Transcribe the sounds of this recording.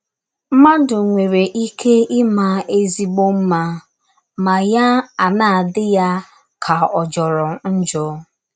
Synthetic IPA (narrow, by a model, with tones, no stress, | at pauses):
m̩˦ma˦n̩˦dʊ˨ŋʷe˨ɾe˨ʔi˦kʰe˦ɪ˦ma˦e˦zi˦ɡ͡bo˦m̩˦ma˦ | ma˨ja˦a˨naː˦˨a˨dɪ˦ja˦ | kʰa˨ɔ˨d͡ʒɔ˨ɾɔ˨˦n̩˦d͡ʒʊ˦